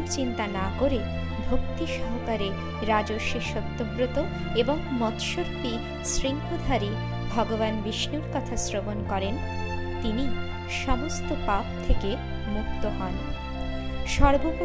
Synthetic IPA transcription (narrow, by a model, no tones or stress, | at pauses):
ɾt͡ɕint̪anakoɾe | bʱokt̪iʃɔɦokaɾe | ɾad͡ʑoʃeʃot̪ːobɾot̪o | eboŋmɔt̪ʃoɾt̪i | sɾiŋkod̪ʱaɾi | bʱɔɡobanbiʃnuɾkɔt̪ʰasɾobonkɔɾen | t̪ini | ʃɔmost̪opap̚t̪ʰeke | muk̚t̪oɦɔn | ʃɔɾbop